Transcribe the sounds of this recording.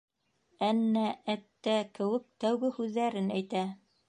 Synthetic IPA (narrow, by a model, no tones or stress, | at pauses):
ænːææt̪ːækɘ̆wɘk̚t̪æwɡɘhʉðːæɾɘnæjt̪æ